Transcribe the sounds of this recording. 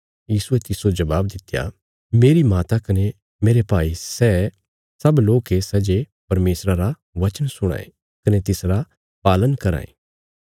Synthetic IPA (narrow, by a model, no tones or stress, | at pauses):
jiːsuɛt̪ɪsod͡ʒɐʋaːb̚d̪ɪt̪ːja̰ | meːɾimaːt̪akɐne | meːɾepaːisɛː | sɐbloːkesɛd͡ʒe | pɐɾmeːsɾaɾa | ʋɐt͡ʃənsʊɽ̃a̰ːḛ | kɐnet̪ɪsɾa | paːlənkɐɾa̰ːḛ̃ː